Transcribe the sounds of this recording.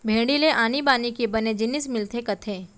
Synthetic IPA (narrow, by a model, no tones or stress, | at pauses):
bʱẽːɽɖileʔaːnibaːnikebɐned͡ʒɪnɪsmɪlt̪ʰekɐt̪ʰẽː